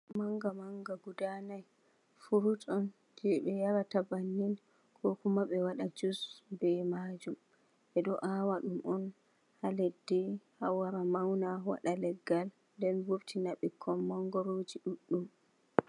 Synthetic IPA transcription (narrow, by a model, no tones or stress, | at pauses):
maŋɡamaŋɡaɡudanaj | fuɾutʼɔn | d͡ʒɛɓɛjaɾatabanːin | kʰɔkumaɓɛwaɗad͡ʒusbɛmad͡ʒum | ʔɛɗɔʔawaɗumʔɔn | halɛdːɛhawaɾamawnawa̰ɗalɛɡːal | ndɛnvoftʰinaɓɛkʰɔmːaŋɡɔɾoːd͡ʒiɗuɗːum